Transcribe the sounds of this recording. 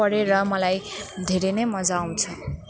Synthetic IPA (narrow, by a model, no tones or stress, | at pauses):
ʌɾeɾʌmʌlajd̪ʱeɾenʌjmʌd͡zaːw̃t͡sʰʌ